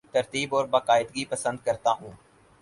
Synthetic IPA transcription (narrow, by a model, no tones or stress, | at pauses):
t̪əɾt̪iːbɔːɾbəkaːɪd̪ɡiːpəsə̃nd̪̚kəɾt̪aːɦũː